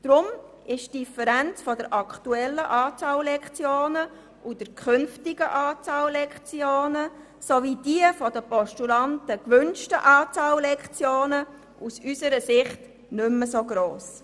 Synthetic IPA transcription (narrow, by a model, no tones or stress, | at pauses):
d̥ɾʊm | ɪʃd̥ifəɾænt͡sfɔdəɾʔɑktuɛlːəʔɑːt͡sɑllɛkt͡sjoːnə | ʔud̥əɾkʰχʏnftɪɡəʔɑːt͡sɑːllɛkt͡sjoːnə | sovid̥iəfɔdəpɔʃtulɑntəkʋʏnʃtəʔɑːt͡sɑːllɛkt͡sjoːnə | ʔusysəɾəsɪχt | nʏmːəsoɡɾoːs